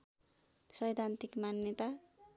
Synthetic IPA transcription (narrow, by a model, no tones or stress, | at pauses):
sʌjd̪ʱant̪ikmanjet̪a